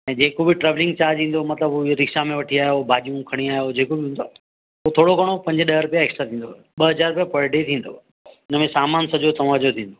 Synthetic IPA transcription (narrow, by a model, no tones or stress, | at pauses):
ɛ̃ːd͡ʑeːkobɪʈɾɛːʋlɪ̃ŋɡt͡ɕaːd͡ʑĩːn̆d̪omɐt̪ləbɾɪkʃamẽʋɐʈʰiaːjobʱaːʄijũkʰɐɽ̃iaːɦjod͡ʑeːkobɪɦũːnd̪o | ut̪ʰoːɽokɐɽ̃opɐ̃ɲd͡ʑɗɐɦɾʊpjaeːksʈɾat̪ʰĩːnd̪o | ɓɐɦɐzaːɾʊpijapɐɾɖet̪ʰĩːnd̪o̰ | ɪnəmẽsaːmaːnsɐd͡ʑot̪ɐʋãːd͡ʑot̪ʰĩːn̆d̪o